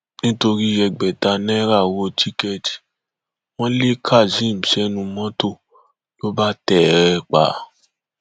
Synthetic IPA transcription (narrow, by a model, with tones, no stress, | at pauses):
nĩ˦to˧ɾi˦ɛ˧ɡ͡bɛ˨ta˧nɛ̃˦ɾa˦˨wo˧tʰi˦kɛ˦˨ti̥˨ | w̃ɔ̃˦le˦kʰa˦˨d͡ʒĩ˦˨m̩˨ʃɛ˨˦nũ˧mɔ̃˦to˦˨ | lo˦ba˦tɛ˨ɾɛ˧k͡pa̰˨˦